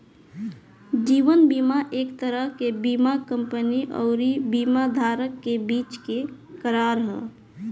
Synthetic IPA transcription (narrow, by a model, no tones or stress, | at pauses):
d͡ʒiʋənbimaʔekt̪əɾəɦkebimakəmpəniʔɔ̰ʊɾibimad̪ʱaɾəkːebit͡ʃkekəɾaɾɦɛ̰